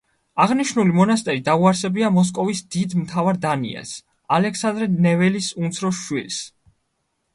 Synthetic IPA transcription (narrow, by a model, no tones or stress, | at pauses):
aʁniʃnulimɔnast̪ʼɛɾid̪auaɾsɛbiamɔs̬kʼɔvisd̪̥id̪mt̪ʰavaɾd̪anḭɛ̰s | alɛksand̪ɾɛnɛvɛlisunt̪sʰɾɔʃwils